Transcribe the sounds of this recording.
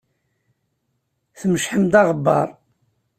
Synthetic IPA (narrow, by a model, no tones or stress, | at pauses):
θəməʃħəmd̪ɑʁəbːɑ̰ɾˤ